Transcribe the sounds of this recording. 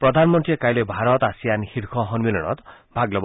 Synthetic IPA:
pɾɔd̪ʱanmɔnt̪ɾiekajlebʱaɾɔt̪asijanixiɾkʰɔɦɔnmilɔɽ̃ɔ̰t̪ | bʱaɡlɔb

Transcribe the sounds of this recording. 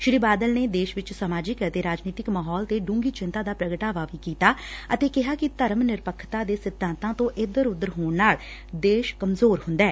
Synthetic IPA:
ʃɾiːbaːd̪əlneːd̪eːʃʋɪt͡ʃsəmaːd͡ʒɪkt̪eːɾaːd͡ʒniːt̪ɪkmaːɦɔːlt̪eːɖũːŋɡiːt͡ʃɪnt̪aːd̪aːpɾəɡəʈaːʋaːʋiːkiːt̪aːət̪eːkɪɦaːkɪt̪əɾəmnɪɾpəkʰːt̪aːd̪eːsɪd̪ʱːãːnt̪ãːt̪õːʔɪd̪əɾʊd̪əɾɦoːɳnaːɭ | d̪eːʃkəmzoːɾhʊ̃nd̪aɛː

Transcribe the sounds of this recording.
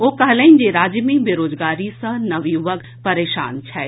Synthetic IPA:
oːkɐɦlɛ̃ind͡ʒeɾaːd͡ʒmibeɾoːd͡ʒɡaːɾisə̃nɐʋiʋəɡ | pɐɾeːʃa̰ːnt͡ʃʰɛː

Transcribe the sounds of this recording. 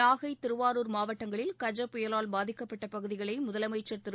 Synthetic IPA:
aːɣɐɪt̪ːɪɾɯʋaːɾuːɾmaːʋɐʈːɐŋɡɐɭɪlkɐd͡ʒɐpːʊjɐlaːlbaːðɪkːɐpːɐʈːɐpɐɣɯðɪɣɐɭɐɪmʊðɐlɐmɐɪt͡ʃːɐɾt̪ɯɾ

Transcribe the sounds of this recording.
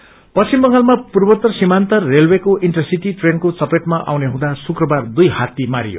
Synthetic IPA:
pʌst͡simbʌŋɡalmapurbʌt̪ːʌsimant̪ʌrːelwekoʔinʈʌrsiʈiʈrenkot͡sʌpreʈmaʔa̰wneɦũd̪asukrʌbard̪ujhat̪imaɾijo̰

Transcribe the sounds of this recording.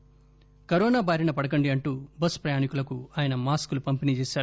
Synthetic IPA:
kɐɾɔːnaːbaːɾinɐpɐɽɐk̬ɐɳɖiɐɳʈuːbɐspɾɐjaːnikulɐkuaːjɐnɐmaːskulupɐmpiniːt͡ʃeːsaːu

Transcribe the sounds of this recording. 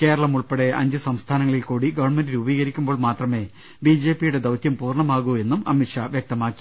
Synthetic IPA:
ke̞ːɾɐɭɐmuɭpeɽe̞ʔɐ̰ɲd͡ʑɨsɐmst̪ʰaːnɐŋːɐɭilkuːɽiɡɐʋɐɳme̞ndilubiːɣɐɾikʲːumbo̞ːɭmaːt̪rɐme̞ː | bid͡ʑeːpːijuɽe̞d̪ɐwt̪jɐmpuːrɳɐmaːɣue̞nːumɐmiʈʂaʋjɐk̚t̪ɐmaːkːi̥

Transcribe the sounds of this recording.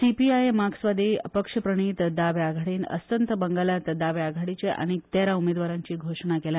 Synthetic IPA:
sipiajemaɡsʋad̪iəpəkʂəpɾəɳ̃iːt̪d̪aʋjaɡʱaɽiːnə̰st̪ənt̪əbəŋɡalat̪d̪aʋjaɡʱaɽit͡ɕeʔa̰ñit̪aɾaumed̪ʋaɾaɲt͡ɕiːɡʱoʂɳ̃akela

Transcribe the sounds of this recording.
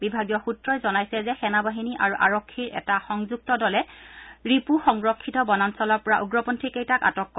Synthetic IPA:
bibʱaɡijɔxutɹɔjzɔnajsɛzɛxɛnabaɦiniʔa̰ɹuʔaɹɔkʰːiɹʔɛ̰taxɔŋzuk̚tɔdɔlɛɹipuxɔŋɹɔkʰːitɔbɔnansɔlɔɹpɔɹaʔuɡɹɔpɔntʰɹikejtaka̰tɔkːɔ

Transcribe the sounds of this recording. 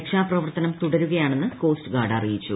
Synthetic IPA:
kʂaːprɐʋɐrt̪ɐnɐmt̪uɽɐɾuɣɐjaːɳe̞nːɨko̞ːstɨɡaːɽɐrijit͡ɕːṵ

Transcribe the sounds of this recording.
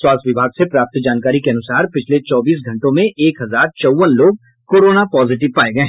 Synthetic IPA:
swaːsʋɪbʱaːɡsepɾaːp̚t̪d͡ʒaːnkaːɾikeɐnʊsaːɾpɪt͡ʃʰlet͡ʃɔːbiːs̬ɡʱɐ̃ɳʈõmẽʔeːkɦɐzaːɾt͡ʃɐwʋənloːɡ̚ | koːɾoːnapɔːzɪʈ̬ɪʋpaːeɡɐẽ

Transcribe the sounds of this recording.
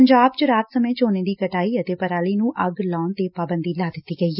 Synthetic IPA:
ɲd͡ʒaːbt͡ʃəɾaːt̪səmẽːt͡ʃoːnẽːd̪iːkəʈaːiːət̪eːpəɾaːliːnũːʔəɡlɔːnt̪eːpaːbənd̪iːlaːd̪ɪt̪ːiːɡəiː

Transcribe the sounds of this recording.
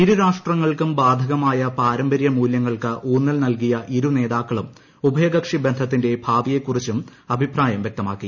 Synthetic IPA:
iɾuɾaːʂʈrɐŋːɐɭkumbaːd̪ʱɐɣɐmaːjɐpaːɾɐmbɐɾjɐmuːljɐŋːɐɭkɨʔuːnːɐlnɐlkijɐʔiɾune̞ːðaːkːɐɭum | ubʱɐjɐɡɐkʂibe̞nd̪ʱɐt̪̬ːinde̞bʱaːʋije̞kːurit͡ɕːumɐbʱipraːjɐmʋje̞k̚t̪ɐmaːkːi

